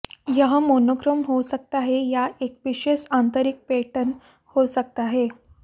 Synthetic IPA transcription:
jəɦamonokɾəmɦosəkt̪aɦejaʔek̚ʋiɕeɕant̪əɾik̚peʈən | hosək̚t̪aɦe

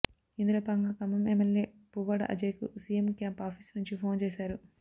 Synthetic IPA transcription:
ind̪ulɐpɐŋɡɐkɐmɐmemeljeː | puʋɐɽɐ̰ʔɐ̰d͡ʒeːkṵsiːjemkjaːmpaːpʰisnuɲt͡ʃipʰoːnt͡ʃeːsaːɾu

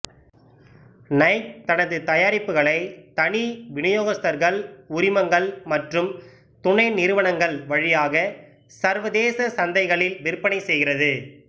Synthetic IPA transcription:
nɐɪk̚t̪ɐnɐðɯt̪ɐjaːɾɪpːɯɣɐɭɐɪt̪ɐɳiʋɪɳɐjoːɣɐst̪ɐɾɣɐɭʊɾɪmɐŋɡɐɭmɐʈrɯm | t̪ʊɳɐɪnɪɾɯʋɐɳɐŋɡɐɭʋɐɻɪjaːɣɐ | sɐɾʋɐðeːsɐsɐnd̪ɐɪɣɐɭɪlʋɪɾpɐɳɐɪsɛjɣɪrɐðɯ

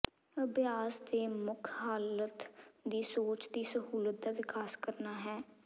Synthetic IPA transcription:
əbɪjaːsd̪eːmʊkʰɦaːlət̪d̪iːsoːt͡ʃd̪iːsəɦuːlət̪̚d̪aːʋɪkaːskəɾnaːɦɛː

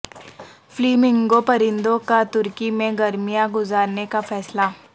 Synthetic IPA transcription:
fliːmɪ̃ŋɡopɐɾɪ̃nd̪õkat̪ʊɾkimẽɡɐɾmijãɡʊzaːɾnekafɛːslaː

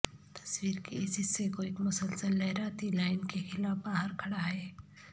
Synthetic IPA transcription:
t̪ə̥sʋiːɾkeesisekoik̪məsəlsəlːəɦɾat̪ilainkexilafbaɦəɾkʰəɽaːɦe

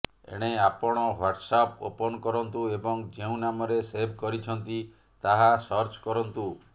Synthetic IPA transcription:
ḛɽ̃eapɔɽ̃ɔɦaɾʈsapo̰pɔnɔkɔɾɔnt̪uebɔŋd͡ʒeũnamɔɾesebʱkɔɾit͡ʃʰɔnt̪i | t̪aɦasɔɾt͡ʃkɔɾɔnt̪u

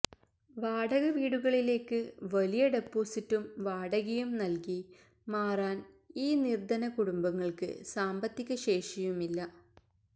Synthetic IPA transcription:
ʋaːɽɐɣɐʋiːɽuɣɐɭile̞ːkːɨʋɐlijɐɖe̞pːoːsitːumʋaːɽɐɣɐjumnɐlki | maːraːn | iːnird̪ɐnɐkuɽumbɐŋːɐɭkɨ̰saːmbɐt̪ːikʲːɐɕe̞ːʂijumilːɐ

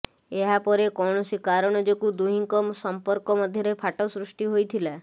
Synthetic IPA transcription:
eɦapɔɾekɔɳɔsikaɾɔɽ̃ɔd͡ʒokud̪uɦiŋkɔmsɔmpɔɾkɔmɔd̪ʱjɔɾepʰaʈɔsɾuʂʈiɦojt̪ʰila

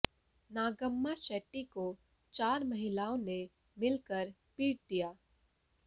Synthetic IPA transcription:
naːɡəmːaʃɛːʈːiko | t͡ʃaːɾmɐɦɪlaːõne | mɪlkəɾ | piːʈ̚d̪ijaː

